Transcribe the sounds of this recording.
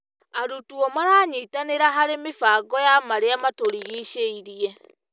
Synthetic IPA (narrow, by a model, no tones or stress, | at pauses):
aɾutuɔmaɾaːɲeitaneɾaɦaɾemefaːɡɔjamaɾeamatoɾiɣiʃeiɾiɛ